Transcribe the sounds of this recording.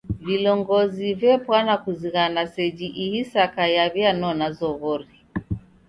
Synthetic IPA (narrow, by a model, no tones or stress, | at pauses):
vilɔŋɡɔzivɛpwanakuziɣanasɛd͡ʒiʔihisakajaβjanɔnazɔɣɔɾi